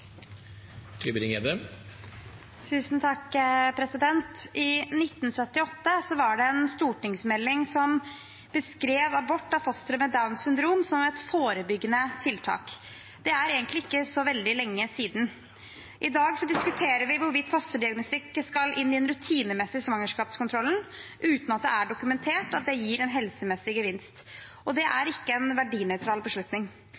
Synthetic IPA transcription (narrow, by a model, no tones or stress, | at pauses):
t̪ʰyːbəɾɪŋeːd̪ə | t̪ʰʉːsnt̪ʰɑkpʰɾɛsɪd̪ɛnt̪ʔɪnɪt̪ːn̩sœt̪ːɪɔt̪ːəsɔʋɑɖɛɛnst̪uːʈɪŋsmɛlːɪŋsɔm | b̥əskɾeːʋɑbɔʈːɑfɔst̪əɾəmɛd̪aʉnsʏnd̪ɾuːmsɔmɛt̪foːɾəbʏɡːənət̪ʰɪlt̪ʰɑ̰ːk | d̪̥ɛæɾeːɡənt̪lɪɪkːəsɔʋɛld̪ɪlɛŋːəsiːd̪n̩ | ʔɪd̪ɑːɡsɔd̪ɪskʉt̪ʰeːɾəɾʋɪʋʊɾʋɪt̪ːfɔst̪əɖɪɑɡnɔst̪ɪkːəskɑlʔɪnːɪɛnɾʉt̪ʰiːnəmɛsɪsʋɑŋːəʂkɑːpskʰʊnt̪ɾɔlːn̩ʔʉːt̪nɑt̪̚d̪ɛæɖʊkʉmɛnt̪ʰeːʈɑt̪̚d̪ɛjiːɾɛnɦɛlsəmɛsɪɡəʋɪnst̪ʔɔd̪ɛʔæɾɪkːəɛnʋæɖiːnœʏt̪ʰɾɑːlbəʂɭʉt̪nɪŋ